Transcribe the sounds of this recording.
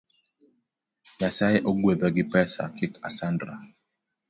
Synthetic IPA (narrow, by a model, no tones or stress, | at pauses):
jasajʔoɡwebɛɡɪpɛsa̰kʰɪka̰sandɾa̰